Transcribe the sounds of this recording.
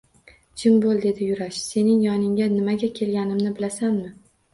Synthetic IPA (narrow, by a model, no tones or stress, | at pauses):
d͡ʒʰɪmbolˠd̪e̞d̪ɪjʊɾaʃse̞nɪŋjɒnɪŋʲanɪmaɡʲakʲʰe̞lɡʲanɪmnɪbɪlasanmɪ